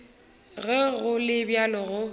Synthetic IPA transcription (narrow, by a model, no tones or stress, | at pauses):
ɣɛɣʊlɪbjalɔɣʊ